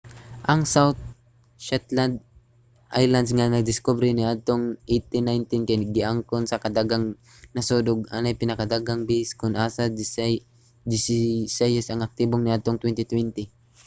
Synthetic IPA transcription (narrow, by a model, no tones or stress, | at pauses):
ʔɐŋsawt̪̚ | ʃɛt̪land̪̚ | ʔa̰jland̪sŋanɐɡ̚d̪ɪskobɾɪnɪʔad̪̚t̪oŋʔejt̪ɪnajnt̪ɪnkajnɐɡɪʔaŋkonsɐkɐd̪aɡaŋ | nɐsoːd̪ʊɡ̚a̰najpɪnɐkad̪aːɡaŋbiskʊnʔaːsa | d͡ʒɪssajasɐŋɐk̚t̪iboŋnɪʔad̪̚t̪oŋt̪wɛnt̪ɪt̪wɛnt̪ɪ